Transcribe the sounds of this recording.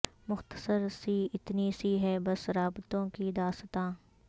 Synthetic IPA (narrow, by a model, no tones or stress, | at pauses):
mʊxt̪ə̥səɾsiɪt̪nisiɦɛbɐsɾaːbt̪õkid̪aːst̪ãː